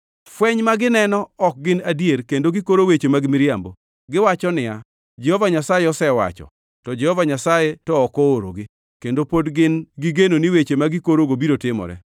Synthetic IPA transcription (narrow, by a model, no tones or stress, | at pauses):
fwɛɲmaɡɪnɛnɔɔk̚ɡɪnadjeɾkendoɡɪkoɾowet͡ʃemaɡɪmɪɾjambo | ɡɪwat͡ʃɔnɪa | d͡ʒehɔvaɲasajeɔsɛwa̰t͡ʃɔ̰ | tɔd͡ʒɛhɔvaɲasajetɔːkɔoɾo̰ɡɪ | kendopodɡɪnɡɪɡenoniwet͡ʃemaɡɪkoɾoɡobiɾotɪmɔ̰ɾɛ̰